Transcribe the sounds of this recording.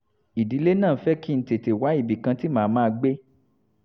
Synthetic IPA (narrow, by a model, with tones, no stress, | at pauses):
i˨di˨˦le˦nãː˦˨˦fɛ˦ki˦n̩˦te˨te˨wa˨˦i˦˨bi˨kã˧ti˦mãː˨˦mãː˦˧ɡ͡be˦